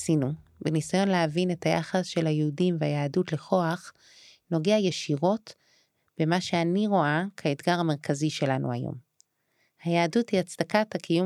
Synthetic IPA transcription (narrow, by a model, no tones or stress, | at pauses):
sinu | benisajo̞nleavine̞taja̰χasʃe̞lhajeudimveajaːdutleχo̞aχ | no̞ɡeajeʃiʁo̞t | b̥e̞maʃe̞aniʁo̞akʰaedɡaʁame̞ʁkʰaziʃe̞lanṵajo̰m | hajaːduthiat͡sdakathakʰijum